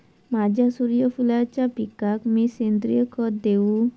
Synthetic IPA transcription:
mad͡ʑasuɾijɔpʰulaɾt͡ʃapikakmisend̪ɾiɔkɔd̪ew

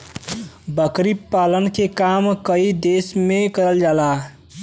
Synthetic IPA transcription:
bəkɾipːalənkekamkəid̪esmekəɾəld͡ʒala

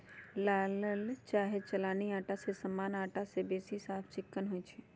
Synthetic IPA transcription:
laːləlt͡ʃaːɦet͡ʃɐlaːniaːʈasesɐmːaːnaːʈasebeːsisaːpʰt͡ʃɪkːənɦoːit͡ʃʰe

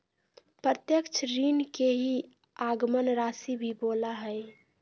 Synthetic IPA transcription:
pɾət̪jəkt͡ʃʰɾiːnkeɦi | aːɡmənɾaːsibʱiboːlaɦɛɪ

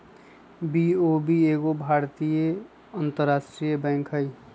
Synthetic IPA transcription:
biobieɡobʱaːɾt̪ije | ant̪əɾːaːsʈɾijəbɛ̃ŋkʰɦəi

